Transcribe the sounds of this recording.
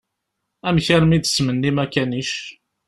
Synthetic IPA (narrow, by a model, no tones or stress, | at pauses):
æmçæɾmid̪smənːimækæniʃ